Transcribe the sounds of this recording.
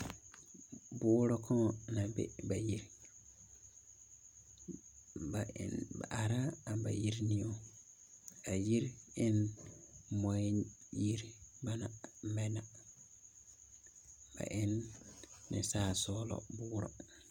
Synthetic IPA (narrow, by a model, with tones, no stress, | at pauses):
bʊː˦ɾɔ˦kʰɔ˦˨na˨bḛ˦ba˨ji˦ɾ | ba̰˨nba̰˨ʔa˨ɾa˦a˨mba̰˨ji˦ɾnĩ˨o˦ | a˨ji˦ɾɪ˦n | mɔ˦i˦ji˦ɾba˦na˨˦mɛ˦na˨ | b̥a̰˨ʔɪ˦nː | ɪ̰˨saː˦˨sɔː˦lɔ̰˨bʊː˦ɾɔ̰˨